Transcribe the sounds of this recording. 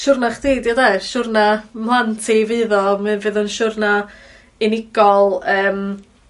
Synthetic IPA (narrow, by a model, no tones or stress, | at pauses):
ʃʊrnaχd̥eːdjadajʃʊrnamlˠantʰivɨːðɔmɨnvɨːðɔnʃʊrna | ɪnɪɡ̥ɔlˠəːm